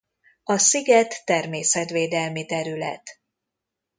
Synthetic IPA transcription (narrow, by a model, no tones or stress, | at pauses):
ɒsiɡɛt̪ːɛrmeːsɛt̪ʋeːd̪ɛlmit̪ɛɾylɛ̰t̪